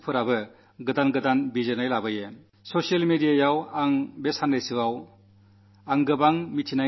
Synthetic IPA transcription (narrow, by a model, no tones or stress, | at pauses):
pʰɯɾabɯ | ɡɯdanɡɯdanbizɯnajlabɯje | sosialmedijajawaŋbesandajsɯwaw | aŋɡɯbaŋmitʰina